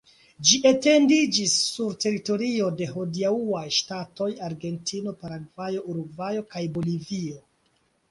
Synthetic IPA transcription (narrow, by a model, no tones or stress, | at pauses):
d͡ʒiʔete̞ndid͡ʒisːuɾte̞ɾito̞ɾio̞de̞ɦodiauajʃtato̞jaɾɡe̞ntʰino̞paɾaɡvajo̞ʔuɾuɡvajo̞kajbo̞livio̞